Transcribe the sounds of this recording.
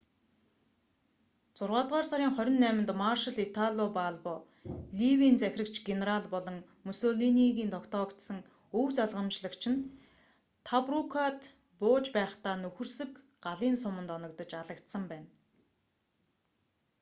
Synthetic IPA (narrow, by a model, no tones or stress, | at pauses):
t͡sʊrʁaːt̪ʁaːrsaɾʲiːŋχœɾʲɪ̆nːæːmɪ̆nt̪marʃə̆ɮit̪ʰaɮʲopaɮpɔː | ɮiwiːnt͡sæxʲrə̆kt͡ɕɡeneraɮpɔɮɞ̆ŋ | musoɮiniɣʲiːnt̪ʰɔkt̪ʰɔːkt̪sə̆ŋ | ɵwt͡saɮʁə̆mt͡ɕɮə̆kt͡ɕʰɪ̆n | t̪ʰaprukʰat̪ | pʊːt͡ɕpæːχt̪aːnɵxɵ̆rsɵ̆k | ɢaɮiːnsʊmə̆nt̪ɔnɞ̆kt̪ɞ̆t͡ɕaɮə̆kt̪sə̆mpæːn